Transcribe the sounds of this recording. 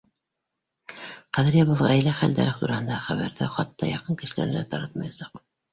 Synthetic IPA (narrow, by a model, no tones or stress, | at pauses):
qæðɘɾjæβɤ̆lˠʁɑæjlæχæ̰ld̪æ̰ɾɘχt̪uɾɑhɤ̆nd̪ɑχæβæɾðɘχɑt̪ːɑjɑqɤŋkɘ̆ʃɘ̆læ̰ɾɘ̆næt̪ɑɾɑt̪mɑjɑsɑq